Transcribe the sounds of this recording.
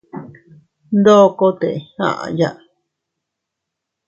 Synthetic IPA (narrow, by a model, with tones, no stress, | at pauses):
nd̪o˦˧ko˦t̪e˨hã̰˦˨ʔa̰˧ja˦˧ʔ